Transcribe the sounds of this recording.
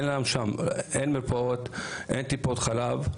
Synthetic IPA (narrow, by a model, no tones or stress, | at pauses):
nlaemʃamʔenmiɾpaot̪ʔent̪ipo̞t̪χalav